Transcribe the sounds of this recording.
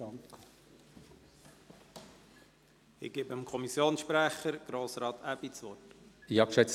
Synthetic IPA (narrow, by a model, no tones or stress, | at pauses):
ɑŋk | ɪ̰ɡ̥eːbəmkʰɔmisjoːnsʃpɾæχəɾɡ̥ɾoːsɾɑːt̪æbit͡sʋɔtɪɑpʃɛt͡s